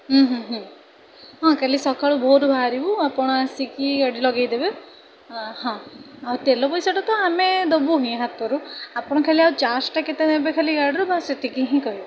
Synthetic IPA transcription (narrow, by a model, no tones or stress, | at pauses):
ɦũɦɦ | ɦɔ̃kalisɔkaɭubʱoɾubʱaɾibuapɔɽ̃ɔasikiɡaɽilɔɡejd̪ebe | hɔ̃awt̪elɔpɔjsɔʈɔt̪ɔamed̪obuɦĩɦat̪ɔɾuapɔɽ̃ɔkʰaliawt͡ʃasʈaket̪enebekʰaliɡaɽɔɾubaset̪ikiɦĩkɔɦibɔ